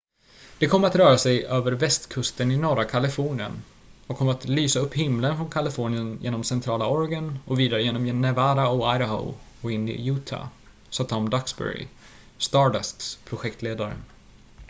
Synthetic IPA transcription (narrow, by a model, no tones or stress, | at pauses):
d̪̥ɛkʰɔmːəɾat̪ɾœːɾasɛjøːvəɾvɛst̪kʰɵst̪ənɪnɔɾakʰalɪfɔːɳɪə̰n | ɔkʰɔmːəɾat̪lyːsaɵpːhɪmlənfɾɔnkʰalɪfɔːɳɪənjḛːnɔmsɛnt̪ʰɾɑːlaɔɾɡənɔviːd̪aɾəjeːnɔmjɛnɛvaːɾaɔajɾɦa̰ | ɔɪnd̪̰juːt̪ʰa̰ | sat̪ʰːamd̪aksbɛ̰ɾɪ̰ | st̪ɑlɛst̪spʰɾʊɧɛk̚t̪leːd̪aɾə̰